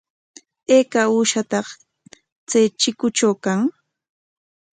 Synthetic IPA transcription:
eːkauːʃat̪ɑχ | t͡sajt͡ʃɪkʊt͡ʃawkaŋ

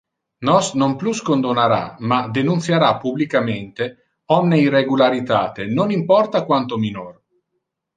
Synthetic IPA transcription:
nɔsnompluskond̪onaɾa̰mad̪enunt̪sjaɾapːublikament̪e | ɔmneirːeɡulaɾit̪a̰ːt̪enonimpɔrt̪akwant̪ominor

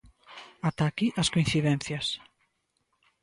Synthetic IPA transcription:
at̪akiʔaskoĩnθiðɛn̟θjɐs

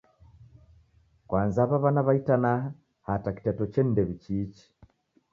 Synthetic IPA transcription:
kwanzaβaβanaβaitanaha | hataki̥tɛtɔt͡ʃɛn̩dɛβit͡ʃiːt͡ʃi̥

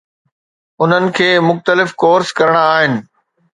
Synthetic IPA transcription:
ʊn̤ənɪ̆kʰeːmʊxt̪əlɪfkoːɾskɐɾəɽ̃aaːɦɪnɪ̆

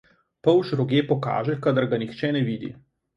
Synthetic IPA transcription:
pɔwʃɾɔɡjeːpɔka̰ːʒɛkad̪əɾɡanixt͡ʃɛːnɛʋiːd̪ḭ

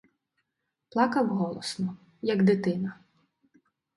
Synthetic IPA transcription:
plˠɑkɐwɦɔlˠɔsnɔ | jɐɡd̪ɪt̪ɪnɐ

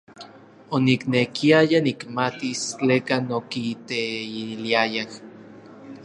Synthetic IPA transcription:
oniknekiajanikmat̪ist͡ɬeːkanokit̪eiliajah

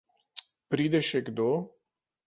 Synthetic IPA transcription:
pɾid̪eʃekd̪o

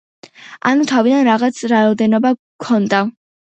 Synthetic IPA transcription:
a̰nut̪ʰavid̪anɾaʁat̪sʰɾaɔd̪ɛnɔba | kʰɔnd̪a

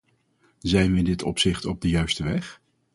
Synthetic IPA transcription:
zɛjnʋəɪndɪtɔ̰psɪχtɔb̚dəjœɥstəʋɛχ

